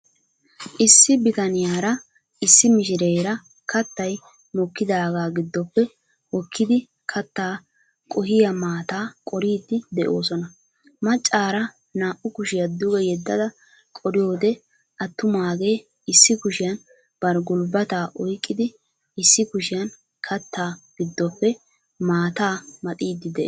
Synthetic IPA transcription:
ʔɪsːɪbɪt̪ɐnɪjaːɾɐ | ʔɪsːɪmɪʃɪɾejɾɐ | kɐt̪ːɐj | mɔkːɪd̪aːɡaːɡɪd̪ːɔpːɛ | wɔkːɪd̪ɪ | kʰɐt̪ːaː | kʼɔɦɪjɐmaːt̪aːkʼɔɾiːd̪ːɪd̪ɛʔo̞ːsɔnɐ | mɐt͡ʃʼːaːɾɐ | naːʔʊkʊʃɪjɐd̪ʊɡɛjɛd̪ːɐd̪ɐ | kʼɔɾɪjo̞ːd̪ɛ | ʔɐt̪ːʊmaːɡe̞ː | ɪsːɪkʊʃɪjɐn | b̥ɐɾɡʊlbɐt̪aːʔɔjkʼːɪd̪ɪ | ɪsːɪkʊʃɪjɐn | kʰɐt̪ːaːɡ̥ɪd̪ːɔpːɛ | maːt̪aːmɐt̪ʼiːd̪ːɪd̪ɛʔ

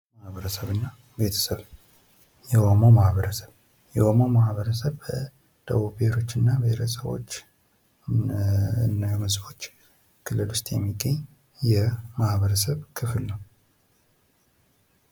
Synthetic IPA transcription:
mahβəɾəsəβɨnːa | be̞t̪ʰə̥səβ | jɛhomomahβəɾəsə̥β | jɛhomomahβəɾəsəβbə | d̪̥əβuβehɾo̞t͡ʃːɨnːabeɾʰəsəβo̞̰t͡ʃː | nːajɛmɨzbo̞t͡ʃː | kʰɨlːɨlʊst̪ʼjɛmːiɡʼeɲ | jɛmahβəɾəsəβkʰɨflnəw

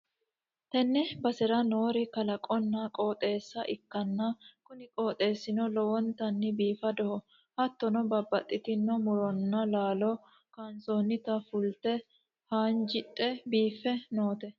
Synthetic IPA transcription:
t̪ɛnːɛbɐsɛɾɐnoːɾɪkɐlɐkʼɔnːɐkʼo̞ːt̪ʼe̞ːsːɐʔɪkːɐnːɐkʊnɪkʼoːt̪ʼe̞ːsːɪnɔlɔwɔnt̪ɐnːɪbiːfɐd̪ɔhɔ | hɐt̪ːɔnɔbɐbːɐt̪ʼːɪt̪ɪnːɔmʊɾɔnːɐlaːlɔ | kansoːnːɪt̪ɐfʊlt̪ɛ | haːnd͡ʒɪt̪ʼːɛbiːfːɛnoːt̪ɛ

